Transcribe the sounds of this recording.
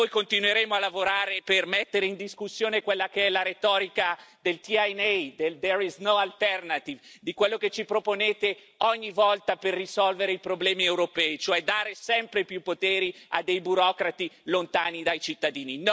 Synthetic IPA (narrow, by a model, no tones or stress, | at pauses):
ojkont̪inweɾeːmoalːavoɾaːɾepermet̪ːeɾeind̪iskusːjoːnekwelːakeɛlaɾet̪ɔːɾikad̪elt̪iajnɛd̪eld̪ɛɾiznoalt̪ɛrnat̪ivd̪ikwelːoket͡ʃipɾoponeːt̪e | ɔɲːivɔlt̪aperːisɔlveɾeipɾoblɛːmiewɾopɛːit͡ʃoɛd̪aːɾesɛmpɾepjupːot̪eːɾia̰d̪ejbuɾɔkɾat̪ilont̪aːnid̪ajt͡ʃit̪ːad̪iːnin